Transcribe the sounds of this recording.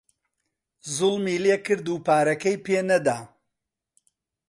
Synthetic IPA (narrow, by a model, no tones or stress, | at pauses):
zʊlmiːlekɨɾd̪uːpaːɾɐkɐjpeːnɐd̪aː